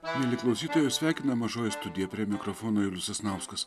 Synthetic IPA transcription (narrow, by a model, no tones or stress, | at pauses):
nʲɛlʲɪklˠɐʊsʲiːt̪oːjʲɛsʲʋʲæˑɪkʲɪnɐmɐʒoːjɪst̪ʊd̪ʲɪjɛpʲɾʲiɛmʲɪkɾɔfoːnoːɪlʲʊsɐsnɑʊskɐs